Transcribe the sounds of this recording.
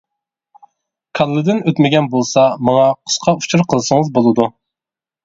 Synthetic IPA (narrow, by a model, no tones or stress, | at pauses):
kʰɑlˠːɨd̪ɪnøt̪mɪɡʲɛnbolˠsɑmɑŋɑqʰʊ̥sqʰɑu̥t͡ʃʰuɾqʰəlˠsɨŋəzbolˠɨd̪u